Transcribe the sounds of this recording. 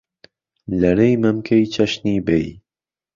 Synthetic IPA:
lɐɾejmɐmkʰejt͡ʃʰɐʃniːbej

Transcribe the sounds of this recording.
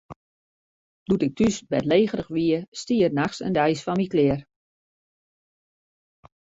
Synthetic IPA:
d̥utɪk̚tysbɛtleːɣəɾəxʋiəstiːərnaxsə̰ndɛjsfɔnmiklɪər

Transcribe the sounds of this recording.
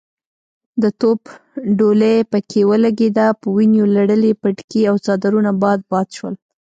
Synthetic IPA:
d̪ət̪opɖolepəkʰewəlaɡed̪apəwinjolaɽəlepəʈkiawt͡sɑd̪aɾunabɑd̪̚bɑd̪ʃwəl

